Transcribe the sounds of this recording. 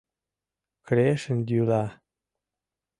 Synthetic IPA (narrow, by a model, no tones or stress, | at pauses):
kɾeʃə̆nʲd̪ʲylɑ